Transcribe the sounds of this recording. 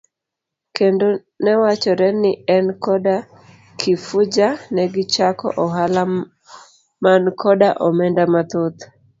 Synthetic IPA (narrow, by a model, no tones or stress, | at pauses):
kendo | nɛwat͡ʃɔɾɛnɪɛnkɔda | kʰɪfʊd͡ʒanɛɡɪt͡ʃakɔ̰ʔɔɦala | mankʰɔdaʔɔmɛndamat̪ot̪